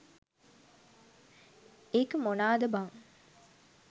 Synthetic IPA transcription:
ekəmonaːd̪ɐbaŋ

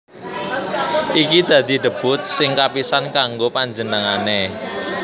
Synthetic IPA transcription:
ʔikid̪̥ä̤d̪̥i̤ɖ̪ə̤b̥ʊ̤t̪̚sɪŋkapisankaŋɡopaɲd͡ʒənəŋane

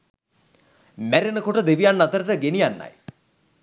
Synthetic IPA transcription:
mæɾenəkoʈəd̪eʋijanːat̪əɾəʈəɡenijanːa̰j

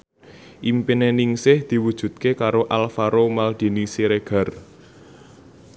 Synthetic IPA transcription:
ʔimpineniŋsɪhd̪̥i̤wud̥ʒ̥ṳd̪̚kekaɾoʔalfaɾomald̪̥i̤nisiɾeɡ̥a̤r

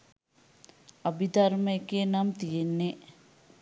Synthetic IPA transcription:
ɐbid̪ɐɾmekenɐmt̪ijenːe

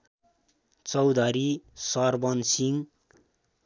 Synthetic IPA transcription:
t͡sʌwd̪ʱʌɾisʌrbʌnsiŋ

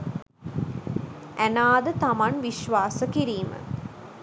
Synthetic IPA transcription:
ʔænaːd̪ət̪amanʋiʃʋaːsəkiɾiːmə̰

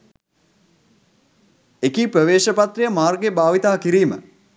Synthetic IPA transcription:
ekipɾəʋeːʃəpat̪rijəmaːrɡebaːʋit̪aːkiɾiːmə̰

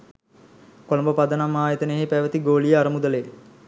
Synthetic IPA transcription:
kolɐmbəpad̪ənamːaːjet̪əneɦepæʋət̪iɡoːlijəaɾəmud̪ələe

